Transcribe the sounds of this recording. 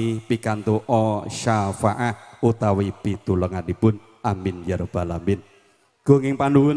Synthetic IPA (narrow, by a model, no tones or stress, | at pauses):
ipikant̪uʔɔʃafaʔahut̪awibit̪uləŋadipʊn | ʔamɪnjaɾob̥a̤lambɪn | ɡ̥o̤ŋɪŋpanuwʊ